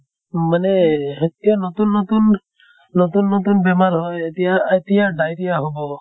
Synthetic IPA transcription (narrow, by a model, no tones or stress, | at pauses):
maneet̪ijanɔt̪unːɔt̪unː | ɔt̪unːɔt̪unbemalɦɔjet̪ijaet̪ijaɖajt̪ijaɦobɔ